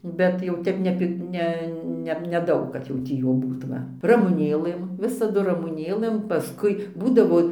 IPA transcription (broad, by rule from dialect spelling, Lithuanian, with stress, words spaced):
ˈbʲɛt jɛʊ ˈtʲɛp nʲɛ pʲɪ ˈnʲɛ ˈnʲɛ nʲɛˈdɐʊk kɐt jɛʊ ˈtʲiː juː ˈbuːt ˈʋɐ rɐmʊˈnʲeːlˠɘm ˈʋʲɪsɐdʊ rɐmʊˈnʲeːlˠɘm pɐˈskʊɪ ˈbuːdɐʋoː